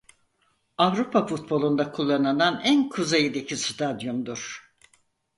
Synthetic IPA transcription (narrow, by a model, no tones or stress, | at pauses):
avɾupʰafut̪̚bo̞lˠund̪akʰulˠːanɯnanænkʰuzejid̪ecʰist̪ʰad̪jond̪uɾ̥